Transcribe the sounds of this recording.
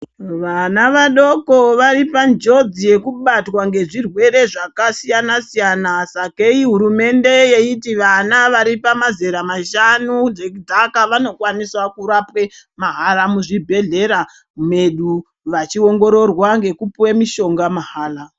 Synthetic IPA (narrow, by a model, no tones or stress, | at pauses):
ʋanaʋaɗo̞ko̞ʋaɾipand͡ʒo̞d͡zije̞kuɓatwaŋɡe̞ʐirwe̞ɾe̞ʐakasijanasijanasakeiɦuɾume̞nde̞je̞itiʋanaʋaɾipamazeɾamaʃanund͡ʒekudʱakaʋano̞kwaniswakuɾapwe̞maɦalamuʐibʱe̞ɮe̞ɾa | ume̞ɗu | ʋat͡ʃio̞ŋɡo̞ɾo̞rwaŋɡe̞kupwemiʃo̞ŋɡamaɦaːla